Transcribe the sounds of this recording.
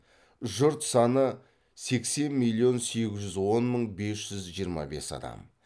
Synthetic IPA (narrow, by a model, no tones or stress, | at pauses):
ʒʊɾt̪sɑnə | se̞kse̞nmilˠːijo̞nse̞ɡʲɪzʒʏzwo̞nməɴbe̞sʒ̥ʏzʒijəɾmɑ̰be̞̰sɑ̰d̪ɑ̰m